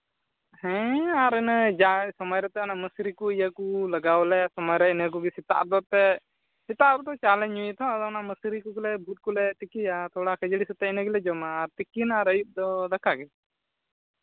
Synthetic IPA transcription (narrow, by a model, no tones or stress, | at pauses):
hɛ̃aɾɛnəd͡ʒasɔmɔjɾɛt̪ɛanaməsiɾikuəjakulaɡawlɛsɔmɔjɾɛinək̬uɡisit̪a̰ʔ̪̚bɔt̪ɛ | sit̪aɾut̪ɔt͡ʃalɛɲɲuit̪ɔad̪anaməsiɾikuɡulɛbʱut̪̚kulɛt̪ikijat̪ʰɔɽakʰəd͡ʒəɽisut̪ɛinəɡɛlɛd͡ʒɔmaːɾt̪ikinaɾəjup̚d̪ɔd̪akʰaɡɛ